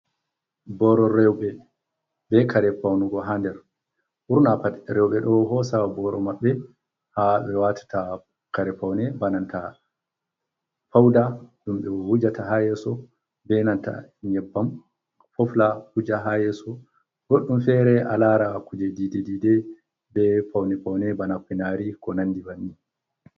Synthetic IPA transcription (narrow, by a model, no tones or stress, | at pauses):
bɔɾɔɾɛwɓɛ | bɛkaɾɛpawnuɡɔɦandɛɾ | ʔuɾnapaɾɛwɓɛɗɔɦɔsabɔɾɔmaɓːɛ | habɛwatḁta | kaɾɛpawnɛbananta̰ | fawdaɗumɓɛwud͡ʒatahajɛsɔ | bɛnanta̰ɲɛbːam | fɔflakud͡ʒaɦajɛsɔ | ɡ̥oɗːumfɛɾɛʔa̰laɾakud͡ʒedidididɛ | bɛfawnɛpawnɛbanakːinaɾikɔnanːdibanːi